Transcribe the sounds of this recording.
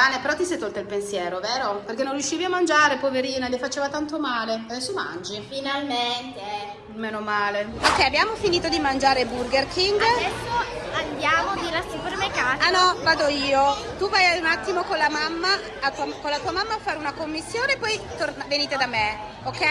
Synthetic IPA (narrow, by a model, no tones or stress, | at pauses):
aːnepeɾɔt̪ːisɛjt̪olt̪ailpensjɛːɾoveːɾoperk̟enːõnrjuʃːiːviamːand͡ʒaːɾepoveɾiːnalefat͡ʃeːvat̪ant̪omaːlesuma̰nd͡ʒifinalment̪eɛ | meːnomaːleokːɛjabjaːmofiniːt̪od̪imand͡ʒaːɾeburɡerkiŋɡad̪ɛsːo | and̪jaːmod̪ilasipuɾmekaanɔvaːd̪oiːot̪uvajaunat̪ːimokonlamamːa | at̪ːuakolat̪uːamamːaːfːaːɾeunakomːisːjoːnepːɔjt̪oraveniːt̪ed̪ame | okːɛ